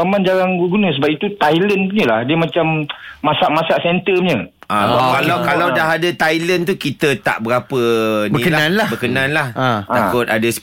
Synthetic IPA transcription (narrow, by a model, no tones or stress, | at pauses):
amãnd͡ʒaɾaŋɡuɡunə̃s̬əbap̚it̪ut̪ajlənɲə̃lahdiəmãt͡ʃamːãsaʔmãsaʔsɛnt̪əɲə̃ | ʔãkalawkalawdaɦadət̪ajlənt̪ukit̪ət̪a̰ʔbəɾapənbəĩkəlaãnlahbəkənãnlahat̪akʊt̪adəs